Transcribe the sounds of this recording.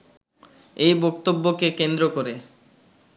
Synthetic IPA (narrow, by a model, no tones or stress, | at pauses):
ejbɔkt̪obːokekend̪ɾokoɾe